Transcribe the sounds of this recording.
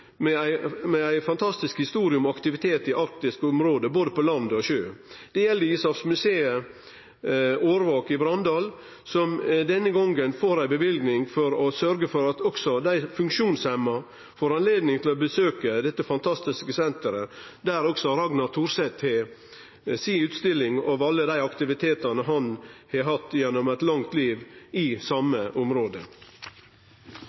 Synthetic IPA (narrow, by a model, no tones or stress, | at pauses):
mɛæɪmɛæɪfɑnt̪ʰɑst̪ɪskhɪst̪uːɾɪʊmɔɑkt̪ɪʋɪt̪ʰeːt̪ɪʔɑɾk̚t̪ɪskʊmɾoːd̪əboːd̪əpɔlɑnd̪ɔʃøːd̪̥ɛjɛlːəɪsɑfsmʉseːə | oːɾʋɑːkɪbɾɑnd̪ɑːl | sɔmd̪ɛnːəɡɔŋənfoːɾæɪbəʋɪlɡnɪŋfɔɾɔsœɾɡəfɔɾɑt̪ɔksɔd̪æɪfʉŋkʃuːnsɛmːɑ | foːɾɑnleːd̪nɪŋt̪ʰɪlɔbəsøːkəd̪ɛt̪ːəfɑnt̪ʰɑst̪ɪskəsɛnt̪əɾəd̪æːɾɔksɔɾɑɡnɑt̪ʰuːɾsɛt̪hɛ | siʉːt̪st̪ɪlːɪŋɑːʋɑlːəd̪æɪɑkt̪ɪʋɪt̪ʰeːt̪ɑnəɦɑnhɛɦɑt̪ːjɛnːɔmæt̪lɑŋt̪liːʋɪsɑməʔʊmɾoːd̪ə̰